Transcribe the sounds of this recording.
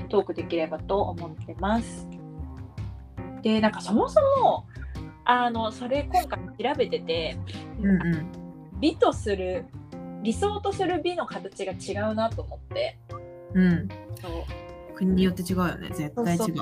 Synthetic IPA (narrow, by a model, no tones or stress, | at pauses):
t̪o̞ːkɯ̟d̪e̞kʲiɾe̞bat̪o̞ʔomo̞t̪ːe̞masɨ̥ | d̪̥e̞nãŋkaso̞mo̞so̞mo̞ | ano̞so̞ɾe̞kõ̞ŋkaimoçiɾabe̞t̪e̞t̪e̞ɯ̃ɴaɯ̟̃ɴ | bʲit̪o̞sɨɾɯ̟ɾʲiso̞ːt̪o̞sɨɾɯ̟bʲino̞kat̪at͡ɕiɡat͡ɕiɡaɯ̟nat̪o̞ːmo̞t̪ːe̞ | ɯ̟̃ɴso̞ːkɯ̟ɲ̟iɲ̟ijo̞t̪ːet͡ɕiɡaɯ̟jo̰nḛzetoːaio